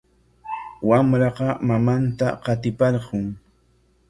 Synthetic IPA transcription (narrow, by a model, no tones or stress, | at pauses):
wamɾɑqɑmamant̪a̰qɑt̪ɪpɑɾɢʊŋ